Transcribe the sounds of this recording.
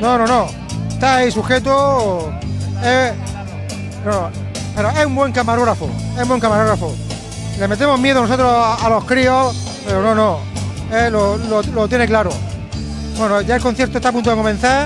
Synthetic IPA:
nonõno | et̪aisuxe̞t̪o | e | nono | pe̞ɾoesumbwe̞ŋkamaɾoɣɾafo̰esumbweŋkamaɾoɣɾafo | leme̞t̪emoɦmje̞ðono̞so̞t̪ɾosaalo̞hkɾio | pe̞ɾonõ̞nõ | elololot̪je̞neklaɾo | bwenoʝaelkonθjeɾt̪ot̪apunt̪oðekomẽn̟θa

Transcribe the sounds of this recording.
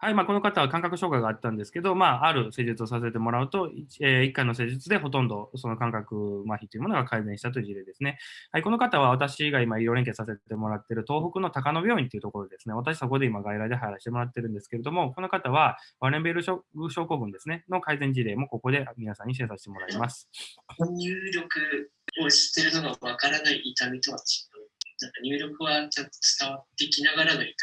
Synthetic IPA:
haimaːko̞no̞kat̪aβakãŋkakɯ̟ɕo̞ːkaiɡaːt̪ːãnd̪esɨ̥ke̞d̪o̞maːaɾɯ̟se̞ːʑit͡sɨo̞s̬as̬et̪e̞mo̞ɾaɯ̟t̪o̞ieikːaino̞se̞ːd͡ʑɨt͡sɨd̪e̞ɦo̞t̪õ̞nd̪o̞so̞no̞kãŋkakɯ̟maçʲi̥t̪ːoiɯ̟mo̞no̞ɡakaizẽɕi̥t̪at̪o̞jiɯ̟ʑiɾe̞ːd̪e̞sɨne̞haiko̞no̞kat̪aβ̞aβat̪aɕiɡaimaiɾo̞ɾẽ̞ŋke̞sase̞e̞mo̞ɾat̪ːe̞ɾɯ̟t̪o̞ːɸokɯ̟not̪akano̞bʲjo̞ːĩnt̪e̞iɯ̟t̪o̞ko̞ɾo̞d̪e̞d̪e̞sɨne̞βat̪̬aɕiso̞ko̞d̪e̞imaɡaiɾaid̪e̞ɦajɾaɕi̥t̪e̞mo̞ɾat̪ːe̞ɾɯ̟̃nd̪e̞sɨ̥ke̞ɾe̞d̪o̞mo̞ko̞no̞kat̪aβ̞abaɾẽ̞mbeɾɯɯɕo̞ːko̞ːbɯ̟̃nd̪e̞sɨneno̞kaizẽ̞ɲ̟d͡ʑiɾe̞ːmo̞ko̞ko̞d̪e̞mʲinasãɲ̟ːis̬e̞ːsaɕi̥t̪e̞mo̞ɾaimasɨ̥oɲʲɨːɾʲo̞kɯ̟ | oɕi̥t̪ːe̞ɾɯ̟noɡaβakaɾanaiʔːt̪amʲit̪o̞βat͡ɕi̥anãŋkaɲ̟ʲɨːɾʲo̞kɯ̟βat͡ɕot̪ːo̥t͡sɨ̥t̪aβat̪ːekʲinaɡaɾaɡ̪ait̪

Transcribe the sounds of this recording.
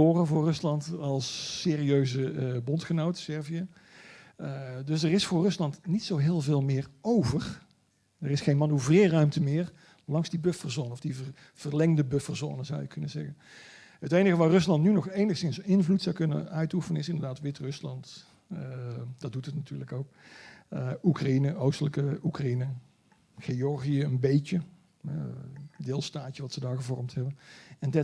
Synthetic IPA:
oːrənvʊːrɵslɑntɑlˠsːeːriøɥzəbɔntχənowtə̥sɛɹviə | dɵsdərɪsfʊːrɵslɑntnitsowɦɪːlˠveːlˠmɪːrowvər | ərɪsχejnmɑnuvrɪːrœɥmtəmɪːr | lɑŋzdibøfərzoːnənɔfdivə | v̥ərlɛŋdəbɵfərzo̰ːnəzɑ̰wjəkʰɵnəzɛɣən | ɦətejnəɣəʋaːrɵslɑntnynɔχejnəχsɪnsɪnvlutsɑwkɵnə̰nœɥtufənənɪsɪndəɹdaːtʋɪtrɵslɑnt | d̥ɑt̚dutətnatyːɹləkowk̚əukrainəʔowstələkəukrainə | ɣejɔɹɣiəənbejt͡ʃə | ɛ̰dɪːlˠstaːt͡ʃəʋɑtsədaːɹɣəvɔɹmtɦɛbənɛndɛ

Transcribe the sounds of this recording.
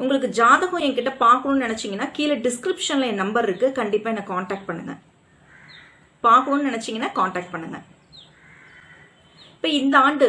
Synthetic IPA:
ʊŋɡɐɭɯk̬ːɯd͡ʒaːðɐɣõːɛŋkɪʈːɐpaːɾkɯɳõːnnɪnɛt͡ʃːɪŋɡɐnːaːkiːlɐɖɪskɾɪpʂɐnlɐɛ̃nɐmbɐɾɪɾɯkːɯkɐɳɖɪpːaːɛnːɐkaːɳʈaːk̚ʈ̚pɐɳːɯŋɡɐ̰ | paːɾkɯɳoːnɯnɪnɛt͡ʃːɪŋɡɐnːaːkaːɳʈaːk̚ʈ̚pɐɳːɯŋɡɐ̰̃ | ɪpːoːɪnd̪ɐaːɳɖɯ

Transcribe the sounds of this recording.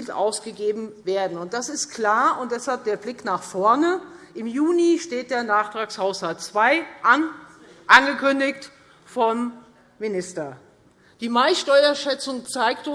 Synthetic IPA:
ltʔa̰ʊsɡ̥əɡeːbm̩veːɐdn̩ʊnt̚d̥asɪst̚kʰl̥aːɐʊnt̚d̥ɛshalp̚d̥eːɐflɪknaːχfɔɐnəʔɪmjuːniʃteːt̚d̥eːɐnaːχtʁ̥aːkshaʊshaltt͡sv̥aɪʔ | ʔanɡəkʰʏndɪkt | fɔmː | ɪnɪstɐ | d̥iːmaɪsʃtɔʏɐʃɛt͡sʊŋt͡saɪktʊ

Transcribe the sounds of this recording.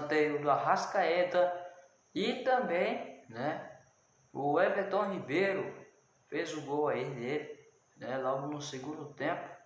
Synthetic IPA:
t̪euluaɦasḁkaet̪ə | it̪ambeɲne | uwevet̪ɔ̃ɦibeɾu | fezuɡowaine̥ | nɛlaunuseɡuɾut̪ẽmpu̥

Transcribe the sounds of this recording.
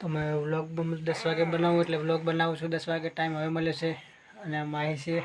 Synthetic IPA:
t̪omeʋlok̚d̪əsʋaɡebənaʋũeʈleʋlok̚bənaʋũt͡ʃʰũd̪əsʋaɡeʈaimɦəʋeməljot͡ʃʰe | ənemaɦit͡ʃʰe

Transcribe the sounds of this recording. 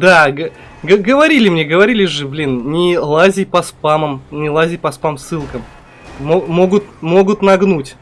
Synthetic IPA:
d̪aɡə | ɡəɡəvɐɾʲilʲɪmnʲeɡəvɐɾʲilʲɪʐɨblʲinnʲɪlˠazʲɪjpɐspaməmnʲɪlˠazʲɪjpɐspamsːɨlˠkəm | momo̞ɡʊt̪̚mo̞ɡʊt̪nɐɡnutʲ

